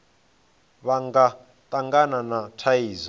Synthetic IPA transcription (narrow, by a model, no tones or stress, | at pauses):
βaŋɡa | t̪ʼaŋɡananatʰaiːza